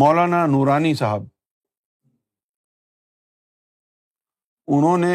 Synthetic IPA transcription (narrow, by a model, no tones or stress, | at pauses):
mɔːlaːnaːnuːɾaːniːsaɦəb̚ | ʊn̤õːnẽ